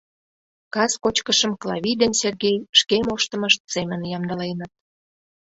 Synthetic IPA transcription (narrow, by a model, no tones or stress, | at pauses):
kɑskot͡ɕkəʃə̆mklˠɑ̰βʲijd̪enserɣejʃkemoʃt̪ə̆məʃt̪̚semənjɑmd̪ə̆lenət̪̚